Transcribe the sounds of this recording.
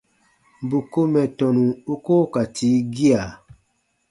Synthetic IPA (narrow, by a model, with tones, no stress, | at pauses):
bu˨ko˦mɛ˨tɔ̃˨nũ˨u˦koː˦ka˨tʰiː˨˦ɡi˦a˨